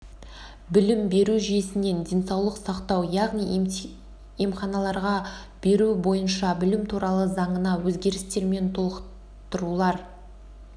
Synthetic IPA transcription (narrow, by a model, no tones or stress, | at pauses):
bɪlɪmbe̞ɾuʒije̞sɪne̞nd̪ʲe̞nsɑwlˠəqsɑqt̪ɑwjɑʁnij | emχɑnɑlˠɑɾʁɑ | b̥e̞ɾubo̞jənʃɑbɪlɪmt̪ʰuɾɑlˠəzɑɴənɑwɵzɡʲe̞ɾɪst̪e̞ɾme̞nt̪ʰolˠəq | t̪əɾulˠɑɾ